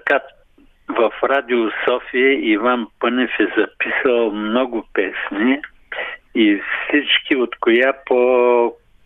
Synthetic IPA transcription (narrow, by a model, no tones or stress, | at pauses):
kat̪ | vɐfɾad̪iosɔfiəʔivanpɤnɛfɛzɐpisɐlˠmnɔɡʊpɛsniː | fsit͡ʃkiot̪kojapo